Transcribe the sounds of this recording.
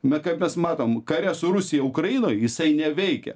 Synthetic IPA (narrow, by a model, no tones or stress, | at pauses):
bʲɛt̪kɐɪpmʲɛsmɑːt̪oːmkɐɾʲɛsʊɾʊsʲɪjɛʊkɾɐjɪnoːjjɪsɐɪnʲɛʋʲɛɪkʲɛ̰